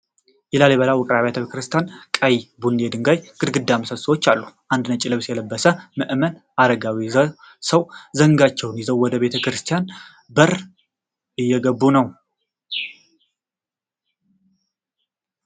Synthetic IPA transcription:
jɛlaleβəlawɔkʼɾaβet̪ʰəekʰɾɨst̪ijankʼəjbund̪ed̪ɨŋɡajɡ̥ɨd̪ɡɨd̪ːaməsəswot͡ʃːalːuʔand̪nət͡ʃʼɪlɨβsjɛləbːəsəmɨʔmən | ʔad̪əɡawi | səwzəŋɡat͡ʃːɛwnjɛzəwwɔd̪əβe̞t̪ʰəkɾɨst̪ʰijan | bəɾ | ɨjːɛɡəbːunəw

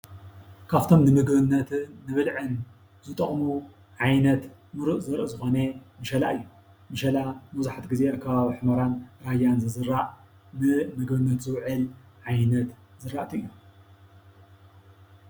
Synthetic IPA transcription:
kʰaβt̪ʰo̞mnɨmɨɡbɨnːɐt̪ʰɨːɨβɨlʕɨn | zɨt̪ʼɐχʼmu | ʕajnɐt̪mɨɾuʔzɨɾʔɨzɨxo̞nemɨʃɐlaʔɨjːu | mɨʃɐlamɐzaħat̪ɡizeakʰːɐβaβiħɨmɐɾanɾajanzɨzɨɾaʔ | nɨmɨɡbɨnːɐt̪zɨwʕɨlʕajnɐt̪ | zɨɾaʔt̪ʰɨɨjːu

